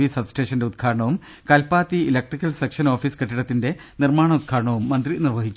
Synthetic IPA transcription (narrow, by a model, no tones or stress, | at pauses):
isɐbsʈe̞ːʂɐnde̞ud̪̚kʰaːɾɐɳɐʋum | kɐlpaːt̪ːiilɐk̚ʈrikːɐlsekʂɐno̞ːfiːskeʈːiɽɐt̪ːinde̞ | nirmaːɳɐud̪̚kʰaːɾɐɳɐʋumːɐnd̪rinirʋɐɦit͡ɕːu̥